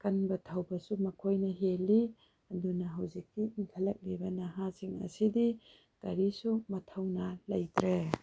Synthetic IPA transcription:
kɐnbɐtʰɐwbɐsumɐkʰojnɐɦeli | ɐdunɐɦawzikːiiŋkʰɐlɐk̚libɐnaɦaziŋɐ̰sidi | kɐɾisumɐtʰawnɐlɐ̰jtɾe

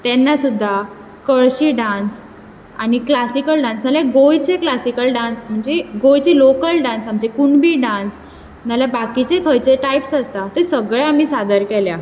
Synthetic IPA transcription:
t̪ɛnːasud̪ʱːa | kəɭɕiːɖãns | aɽiklasikəlɖãnsnalaɡojt͡seklasikəlɖãnsm̤əɳd͡zeɡojt͡ɕelokəlɖãnsam̤əɳd͡ʑekuɳbiːɖãns | nalabakit͡ɕekʰəjt͡seʈajpsəst̪at̪esəɡɭaam̤iːsad̪əɾkɛlja

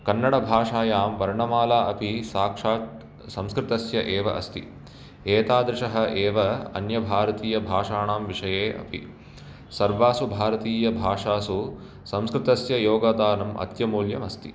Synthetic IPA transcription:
kɐnːɐɽɐbʱaːʂaːjaːmʋɐɾɳɐmaːlaːʔɐpisaːkʂaːt̪ | sɐ̃mskɾɪt̪ɐsjɐʔeːʋɐ̰ʔɐst̪ḭ | eːt̪aːd̪ɾɪʂɐɦɐ̆ʔeːʋɐɐ̰njɐbʱaːɾɐt̪iːjɐbʱaːʂaːɳaːmʋiʂɐjeːʔɐ̰pḭ | sɐɾʋaːsubʱaːɾɐt̪iːjɐbʱaːʂaːsu | sɐ̃mskɾɪt̪ɐsjɐjoːɡɐːd̪aːnɐmɐ̰t̪jɐmuːljɐmɐst̪i

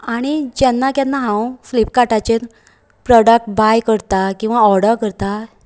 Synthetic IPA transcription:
aɽ̃id͡ʑɛnːakjanːaɦãwflip̚kaʈat͡ɕe | pɾɔɽək̚ʈbajkəɾt̪akĩw̃ʋaɔɾɽəɾkəɾt̪a

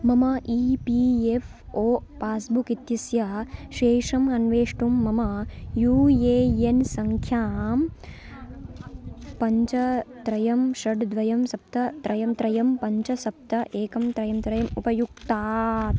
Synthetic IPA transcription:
mɐmɐʔiːpiːefʰ | oːpaːsbukit̪jisjɐʃeːʂɐmɐnʋeːʂʈumːɐmɐjuːjeːjensɐŋkʰjaːm | pɐɲt͡ʃɐt̪ɾɐjɐmʃɐɖd̪ʋɐjɐmsɐp̚t̪ɐt̪ɾɐjɐmt̪ɾɐjɐmpɐɲt͡ʃɐsɐp̚t̪ɐʔeːkɐmt̪ɾɐjɐmt̪ɾɐjɐmupɐjuk̚t̪aːt̪

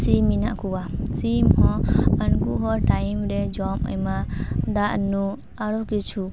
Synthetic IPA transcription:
siminaʔkuwasimhɔ̃ənkuɦɔʈajmɾɛd͡ʒɔmɔ̰jmad̪aʔnu | aɾɔkit͡ʃʰu

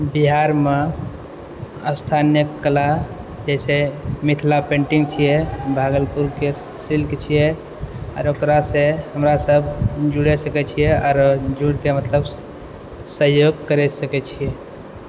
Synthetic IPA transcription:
biɦaɾme | əst̪ʰanjəkːəla | d͡ʒɛɪsemit̪ʰlapẽɳʈiŋɡt͡ʃʰijɛbʱaɡəlpuɾke | silkt͡ʃʰijɛ | ɔ̰ːɾokɾasẽɦəmɾasəbʱd͡ʒuɽɛsəkɛt͡ʃʰijɛɔːɾd͡ʒuɽkemət̪ləb | səɦjoɡkəɾɛsəkɛt͡ʃʰije

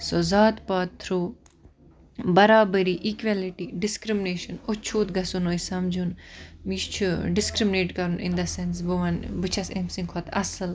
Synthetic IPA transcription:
soːzaːt̪paːt̪ʰːɾuː | bɐɾaːbəɾiʔiːkʋaliʈiɖɪskɾimɪneːʃɐnot͡ʃʰuːt̪ɡɐsunoisɐmd͡ʒunmiːʃt͡ʃʰuɖɪskɾimɪneːʈkɐɾunɪ̰̃nd̪ɐsɛ̃ns̬buʋɐnbɨt͡ʃʰɐsemsĩŋkʰɔt̪ɐ̰sɨl

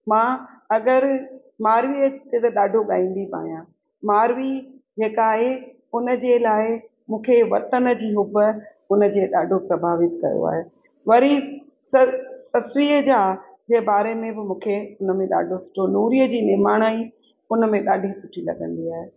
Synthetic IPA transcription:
mãː | ɐɡəɾ | maːɾʋiːət̪et̪eɗaːɖʱoɠã̰ːĩːnd̪iba̰ːɦijã | maːɾʋid͡ʑeːkaːɦe | ʊnə̆d͡ʑeːlaːɪ | mũːkʰeʋɐ̰t̪ənəd͡ʑiːɦʊbə | ʊnə̆d͡ʑeːɗaːɖʱopɾɐbʱaːʋɪt̪kɐ̰jo̰a̰ːɦe | ʋɐɾi | ssɐsʋiːəd͡ʑaː | d͡ʑeːbaːɾemẽbɪmũːkʰeʊnəmẽɗa̰ːɖʱosʊ̥ʈʰonuːɾijəd͡ʑiːnɪɦmaːɽ̃aːi | ʊnəmẽɗaːɖʱisʊʈʰilɐ̰ɠə̰̃nd̪iaːɦe

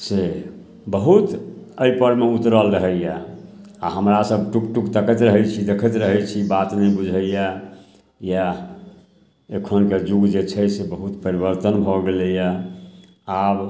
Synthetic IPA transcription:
se | bəɦut̪əipəɾmeut̪ɾəlɾəɦɛja | aɦəmɾasəbʱʈukʈukt̪əkət̪ɾəɦɛt͡ʃʰid̪ekʰət̪ɾəɦɛt͡ʃʰibat̪nəjbud͡ʒʱəja | ja | ekʰonked͡ʒuɡd͡ʒet͡ʃʰɛsebəɦut̪pəɾibəɾt̪ənbʱɔɡeləja | ab

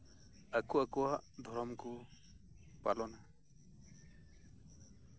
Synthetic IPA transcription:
akuakuwaʔd̪ʱɔɾɔmku | palɔna

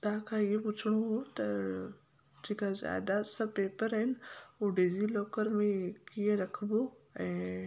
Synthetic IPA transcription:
t̪akʰajeput͡ʃʰɽ̃uɦot̪ɐ | d͡ʒikaza̰ːd̪asɐbpepəɾɐnoɖizilɔːkəɾmẽkijeɾɐkʰboɛ̃

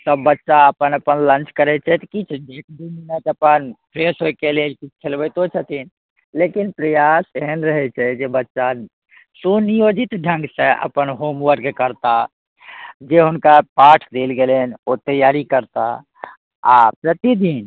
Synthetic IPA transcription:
səbːətːʃaəpənəpənlə̃nt͡ʃkəɾɛt͡ʃʰɛt̪kit͡ʃʰek̚d̪ininət̪əpənpʰɾesɦokelelkit͡ʃʰkʰelbəjt̪ot͡ʃʰət̪in | lekinpɾəjaseɦənɾəɦɛt͡ʃʰɛd͡ʒebətːʃa | sunijod͡ʒit̪ɖʱə̃ŋɡsə̃ʔə̰pənɦomʋəɾkekəɾt̪a | d͡ʒeɦunkapaʈʰd̪elɡelenot̪əjaɾikəɾt̪a̰ | apɾət̪id̪in

